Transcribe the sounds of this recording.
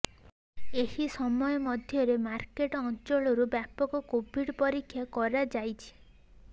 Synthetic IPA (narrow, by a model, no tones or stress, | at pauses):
ehisɔmɔjɔmɔd̪ʱjɔɾemaɾkeʈɔɔnt͡ʃɔɭɔɾubjapɔkɔkobʱiɽpɔɾikʰːjakɔɾad͡ʒajt͡ʃʰi̥